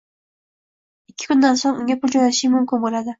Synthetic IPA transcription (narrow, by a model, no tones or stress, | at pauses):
ɪkʲʰːɪ̥kʲynːɑnsoŋʊŋʲapʰʊlˠd͡ʒojnat̪ʃijmʊmkʲɪnbolˠad̪ɪ